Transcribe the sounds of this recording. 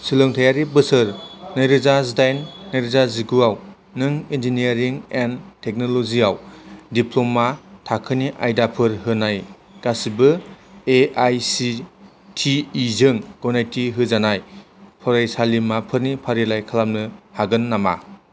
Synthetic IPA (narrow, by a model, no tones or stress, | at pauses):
silɯŋtʰajaɾibɯsɯɾnɯjɾɯzazdajnːajɾɯzaziɡuaw | nɯŋind͡ʒiniaɾiŋentʰek̚noloziawdiplomatʰakʰɯniʔa̰jdapʰɯɾɦɯnaj | kasibɯeajsi | tʰiːzɯŋɡɔnajtiɦɯzanaj | pʰɔɾajsalimapʰɯɾnipʰaɾilajkʰalamnɯhaɡɯnːama̰